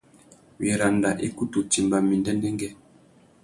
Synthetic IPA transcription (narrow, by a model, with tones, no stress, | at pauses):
wi˨ɾa˨nda˨ʔi˦ku˦tu˨ti˨mba˨mi˨ndɛ˦ndɛ˦ŋɡɛ˦